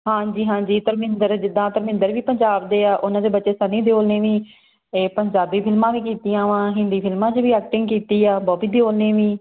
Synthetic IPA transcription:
ɦãːd͡ʒiːɦãːd͡ʒiːt̪əɾmɪ̃nd̪əɾd͡ʒɪd̪ãːt̪əɾmɪ̃nd̪əɾʋiːpəɲd͡ʒaːbd̪eːaːʔʊnãːd̪eːbətːʃeːsanːĩːd̪ejoːlneːʋĩː | eːpəɲd͡ʒaːbiːpʰɪlmãːʋiːkiːt̪ijãːʋãːɦɪnd̪iːpʰɪlmãːt͡ʃʋiːɛːkʈɪ̃ŋɡkiːt̪iːaːbɔːbiːd̪eoːlnẽːʋĩː

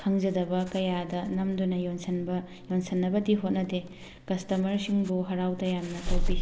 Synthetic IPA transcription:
kʰɐŋd͡ʒɐdɐbɐkɐjadɐnɐmdunɐjonsɐnbɐ | jonsɐnːɐbɐdiɦot̚nɐde | kɐstɐmɐɾsiŋbuɦɐɾawtɐjamnɐtɐwbi

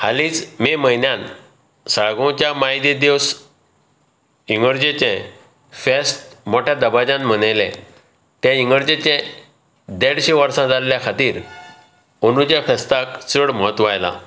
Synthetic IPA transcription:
haliːt͡smeməɦinjãn | saɭɡõt͡ɕjamaid̪ed̪eʋs | iŋɡəɾd͡ʑet͡ɕɛ̃ | fesʈmoʈʰjad̪əbad͡ʑãnm̤ənajlɛ̰̃ | t̪jãiŋɡəɾd͡ʑet͡ɕẽ | d̪eɽɕeʋəɾsãd͡zalːjakʰat̪iːɾ | onut͡ɕjafɛst̪akt͡səɽmɔət̪ʋajla̰

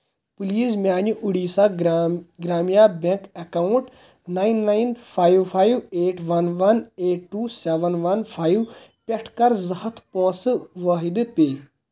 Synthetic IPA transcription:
puliːzmʲaːnuʔuɽiːsa | ɡɾaːmijaːbẽŋkekaːuɳʈ | naːinːaːinpʰaːjʋpʰaːjweːʈʰʋɐnʋɐneːʈʈːuːseʋənʋɐnpʰaːjiʋpʲeʈʰkɐɾzɐhɐt̪ʰpõːsɨʋɐːɦid̪ɨpʲeː

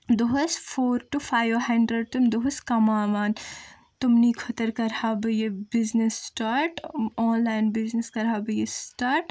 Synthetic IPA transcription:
d̪oɦɐsfʰoːɾʈufʰaːjʋoɦɐ̃ɳɖɾəɖ̚t̪umd̪oɦʊskɐmaːʋaːn | t̪ʊmnikʰot̪əɾkɐɾhaːbɐjebɪznesʈaːɾʈɔːnlaːɪnbɪznəskɐɾaːbɨjesʈaːɾʈ

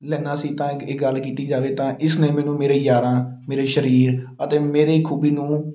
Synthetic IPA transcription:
lɛ̃ːnaːsiːt̪ãːɪɡəlkiːt̪iːd͡ʒaːʋeːt̪ãːʔɪsneːmɛ̃ːnũːmeːɾeːjaːɾãːmeːɾeːʃəɾiːɾət̪eːmeːɾeːkʰuːbiːnũː

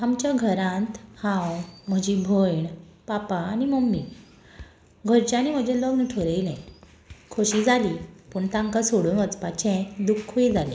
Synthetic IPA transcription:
amt͡ɕjaɡʱəɾãnt̪hãwm̤əd͡ʑibʱojɳpapãːñiməmːiː | ɡʱəɾt͡ɕaañim̤əd͡ʑɛlɔɡnəʈʰoɾeilɛ̃ | kʰoɕiːd͡zaliːpuːɳt̪ãŋkasoɽunɡət͡spat͡ɕɛ̃d̪ukʰːoid͡zalḛ̃

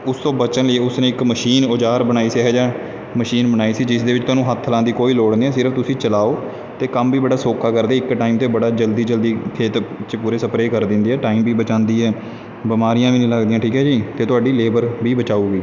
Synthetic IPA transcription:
ʊst̪õːbət͡ʃənliːʊsneːɪkməʃiːnod͡ʒaːɾbənaːiːsiɦɛːd͡ʒãː | məʃiːnbənaːiːsiːd͡ʒɪsd̪eːʋɪt͡ʃt̪ʊaːnũːɦət̪ʰːəlãːnd̪iːkoːiːloːɽniːɛːsɪɾəft̪ʊsĩːt͡ʃəlaːoː | t̪eːkəmʋiːbəɽaːsoːkʰaːkəɾd̪eːɪkʈaːimt̪eːbəɽaːd͡ʒəld̪iːd͡ʒəld̪iːkʰeːt̪t͡ʃpuːɾeːsəpɾeːkəɾd̪ɪ̃nd̪iːɛːʈaːiːmbiːbət͡ʃãːnd̪iːɛː | bɪmaːɾijãːʋiːnĩːləɡd̪ijãːʈʰiːkɦɛːd͡ʒiːt̪eːt̪ʊaːɖiːleːbəɾbiːbət͡ʃaːuːɡiː

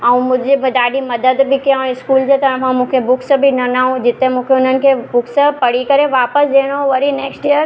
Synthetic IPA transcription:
ɛũmʊ̃d͡ʒebɐd̪aːɖimɐd̪əd̪bʱɪkijãɪskuːld͡ʑet̪ɐɐʋãmũːkʰebʊkʰsəbʱinɐnaɦũd͡ʑɪt̪emũːkʰeʊnənɪ̆kʰebʊkʰsəpɐɽ̤ikɐɾeʋaːpəsd͡ʒeːɽ̃ɦoʋɐɾineːksʈijəɾ

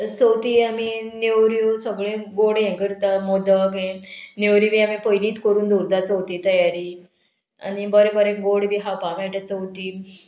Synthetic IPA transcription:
səwt̪iːaminewɾjosəɡɭẽɡoɽjẽkəɾt̪amod̪əɡẽnewɾibiamipojniːt̪kəɾuːnd̪uɾd̪at͡səwt̪iːt̪əjaɾi | a̰nibəɾebəɾẽɡoɽbʱiɦapaʋɛ̃ʈat͡səwt̪iː

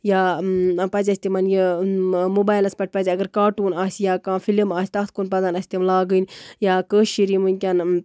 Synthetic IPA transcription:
jaːpɐzʲɐsʲt̪imɐnjəmubaːjlɐspɐʈ̚ʰʲpɐzʲɐɡɐɾkaːɾʈuːnaːsʲjaːkãːfilimaːsʲt̪ɐkt̪ʰkunpɐzanɐsʲt̪imlaːɡənjaːkəːʃiɾimunʲkʲaːn

